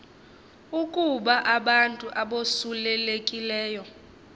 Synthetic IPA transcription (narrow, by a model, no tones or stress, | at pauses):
ukʼuɓaʔaɓantʼuʔaɓosulɛlekʼilɛːjɔ